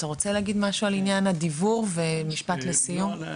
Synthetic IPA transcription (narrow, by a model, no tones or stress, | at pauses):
t̪aʁo̞t͡seleaɡid̪maʃualinjanad̪ivuʁvemiʃpat̪lesijum